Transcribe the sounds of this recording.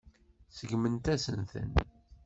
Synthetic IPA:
səɡmənt̪æsənθə̰n

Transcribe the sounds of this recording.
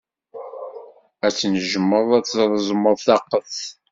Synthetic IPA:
æt͡sːnəʒəmːəðˤæt͡sːzɾˤəzˤməðˤθɑqːəθ

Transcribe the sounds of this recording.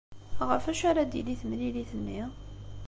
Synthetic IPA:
ʁəɾfæʃaɾad̪ḭliθmliliθənːi

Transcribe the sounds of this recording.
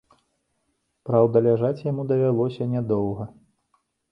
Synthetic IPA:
pɾawd̪ɐlʲaʐat͡sʲjamud̪ɐvʲalˠɔsʲɐnʲɛd̪ɔwɣɐ

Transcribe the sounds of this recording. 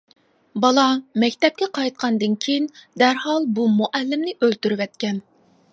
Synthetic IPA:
bɑlˠɑmɛkʲt̪ɛp̚kʲɛqʰɑjt̪̚qʰɑnd̪ɨnkʲʰejind̪æɾhɑlˠbumuʔælːɪmnɪʔølt̪yɾywɛt̪kʲɛn

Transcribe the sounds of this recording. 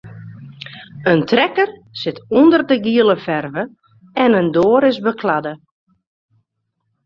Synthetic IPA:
əntrɛkərsɪtundərdəɡiəlˠəfɛrvə | ɛnəndoːəɾɪsbəkʰladə

